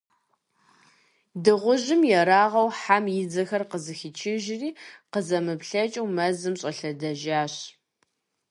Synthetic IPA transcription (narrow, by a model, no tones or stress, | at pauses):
dɨʁʷʊʒɪmjɛɾaːʁɐwħamjɪd͡zɐxɐrqəzɨxit͡ʃʰɪʒɪriːqəzɐmɨpɬɐt͡ʃʼɐwmɐzɨmɕʼɐɬɐdɐʒaːɕ